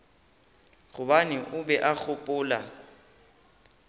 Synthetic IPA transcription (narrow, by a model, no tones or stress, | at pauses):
ɣʊbanɪʔʊbɛʔak͡xʰʊpʼʊːla̰